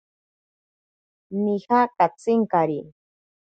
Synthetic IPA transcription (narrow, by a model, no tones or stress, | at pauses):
nihakat͡sɪŋkaɾi